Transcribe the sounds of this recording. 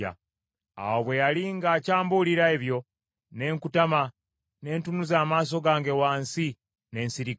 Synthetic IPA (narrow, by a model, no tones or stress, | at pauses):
a̰ | a̰woβwe̞jaliŋɡaːcaːmbuliɾaeβjo̞ | ne̞ːŋkutama | ne̞ːntunuzaːmaːs̬o̞ɡaːŋɡe̞waːnsi | ne̞ːnsiɾik